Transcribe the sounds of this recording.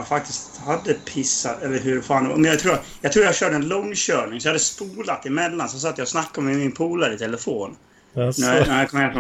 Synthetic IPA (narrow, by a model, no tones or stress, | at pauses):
fak̚t̪ɪst̪had̪ːəpʰɪsːat̪ɛlːəɾɦɵɾfaːn̰ɔ̰mɛjaɡt̪ʰɾuːɾajɑɡt̪ɾuːɾjhaɡɕœːɖəɛnlɔŋːɕœːɳɪŋsɔjːhad̪əspuːlat̪ːɪmɛlːansɔs̬ɔaːt̪ːjɑːɡsnakːamɛmɪnpʰuːlæɾɪt̪ʰɛləfoːn | nænæɾjakʰɔmheːnt̪pʰɔ